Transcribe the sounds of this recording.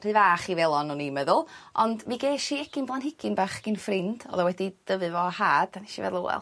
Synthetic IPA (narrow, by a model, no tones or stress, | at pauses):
r̥ɨːvaːχivɛlˠɔnunimɛðʊlˠɔndmiɡeːʃiɛkɪnblˠanɦɪkɪnbaːχɡ̥ɪnfrɪnd̥ɔ̰ːðɔwɛdid̥əvɨvɔhaːd̥aniʃivɛ̰ðlˠo̰ːɛ̰lˠ